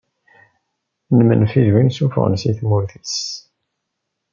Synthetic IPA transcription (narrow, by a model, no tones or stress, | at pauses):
nəmə̰nfiðwinsufʊ̰ʁ̰nsiθmuɾθis